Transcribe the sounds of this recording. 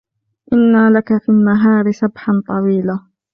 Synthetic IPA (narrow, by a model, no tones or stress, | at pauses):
ʔɪnːalakafiːlːaɦɑːɾɪsabħant̪ˤɑwiːla